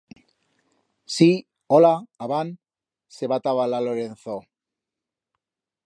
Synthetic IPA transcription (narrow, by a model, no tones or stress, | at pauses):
si | olaːβan | seβat̪aβalaloɾenθo